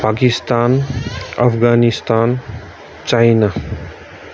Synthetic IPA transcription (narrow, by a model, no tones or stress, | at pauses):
pakist̪anə̰pʰɡanist̪an | t͡ʃajna